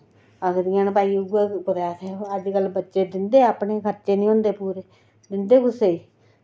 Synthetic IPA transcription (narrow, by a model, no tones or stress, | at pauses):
akd̪iãːnpaːiʊɡeɡʊd̪aːt̪eəd͡ʒkəlːbətːʃeːd̪ɪnd̪eːapːneːkʰəɾt͡ʃeːnĩːõnd̪eːpuːɾeː | d̪ɪnd̪eːkʊseːi